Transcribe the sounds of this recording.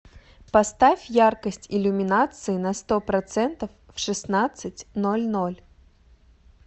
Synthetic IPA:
pɐst̪afʲjarkəsʲtʲilʲʊmʲɪnat̪sɨjinɐst̪ɔpɾɐt̪sɛnt̪ɐfːʂɨsnat̪sɨt͡sʲnɔlʲnɔlʲ

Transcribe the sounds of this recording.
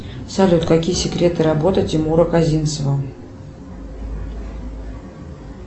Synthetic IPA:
salʲut̪kakʲijəsʲɪkɾʲet̪ɨɾabot̪ətʲɪmuɾəkazʲinsəvə

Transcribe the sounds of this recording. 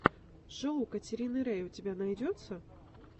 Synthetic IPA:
ʐɔwkɐt͡sʲiɾʲinɨɾɛjwt͡sʲabʲanajd͡zʲɔt̪sːɐ

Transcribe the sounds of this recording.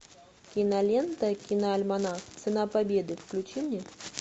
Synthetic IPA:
kʲinɐlʲɛnt̪ɐkʲinɐːlʲmanaxt̪sɨnapabʲed̪ɨfklʲut͡ʃimʲnʲɛ

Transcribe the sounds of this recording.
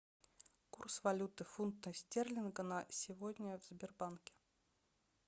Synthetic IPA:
kursvɐlʲut̪ɨfunt̪nəsʲtʲerlʲɪnɡənəsʲɪvod̪ʲnʲəvz̥ʲbʲɪrbankʲɪ̥

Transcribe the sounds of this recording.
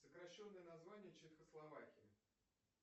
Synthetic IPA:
səkɾɐɕːo̞nːəjənɐzvanʲɪjət͡ɕɪt̪xəslˠɐvakʲɪjɪ

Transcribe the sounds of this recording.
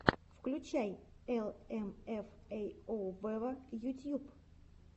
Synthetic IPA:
fklʲut͡ɕajɛlˠɛmɛfɛjovɛvəjut̪ʲjup

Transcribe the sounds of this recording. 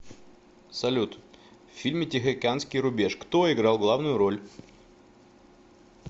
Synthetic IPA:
sɐlʲut̪ | fʲfʲilʲmʲɪtʲɪxʲɪkʲanskʲɪjɾʊbʲe̞ʂkt̪oɪɡɾalˠɡlˠavnʊjʊɾolʲ

